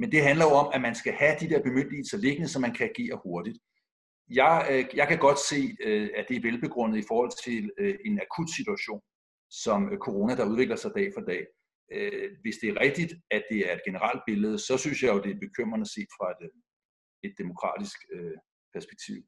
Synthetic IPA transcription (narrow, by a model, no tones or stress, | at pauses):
mend̥e̝ɦænlɐjo̝ɒ̽mæmænsɡ̥æhæd̥id̥eɐb̥e̝møn̰d̥lilsɐle̝ɡ̥ənəsɒ̽mːænkʰææɡ̥e̝̰ːɐho̝ɐd̥id̥ | jɑ̈ɪjɑ̈ɪkʰæɡ̥ɒ̽d̥se̝̰ːæd̥e̝æɐʋelb̥e̝ɡ̥ʁɔ̽n̰ð̩ˠifɒːhɒ̽l̰t͡sʰe̝le̝nækʰud̥sit͡suæɕo̝̰ːn | sɒ̽mkʰo̝ʁo̝ːnæd̥ɑ̈uð̞ˠʋe̝ɡ̥lɐsɑ̈ɪd̥ɛ̰ːfɑd̥ɛ̰ː | øʋe̝sd̥e̝æɐʁɛɡ̥̚d̥id̥æd̥e̝æɐe̝d̥ɡ̥e̝nəʁɑ̈l̰d̥̚b̥e̝ləð̞̩ˠsɒ̽synsjɑɪjo̝d̥e̝æb̥e̝kʰøm̰ʁɐnæse̝̰ːd̥fʁɑ̈e̝d̥ | e̝d̥ːe̝mo̝kʰʁɑ̰̈ːd̥isɡ̥ø | pʰæɐsb̥e̥ɡ̥̚t͡sʰḭʊ̰